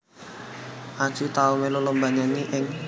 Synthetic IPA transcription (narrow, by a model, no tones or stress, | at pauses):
ʔḁt͡ʃut̪aumelolɔmbaɲaniʔɪŋ